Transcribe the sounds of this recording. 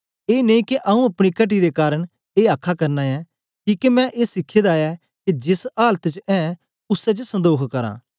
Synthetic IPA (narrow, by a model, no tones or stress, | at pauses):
eːneĩkeʔɐũɐpɽ̃ikɐʈ̬id̪ekaːɾəɽ̃ | eːaːkʰːakɐɾnaɛ | kiːkemɛ̃ʔeːsɪkʰːed̪aːɛ | kid͡ʒɪsaːlət̪t͡ʃɛ̃ː | ʊsɛt͡ʃəsɐ̃nd̪oːkʰkɐɾã̰ː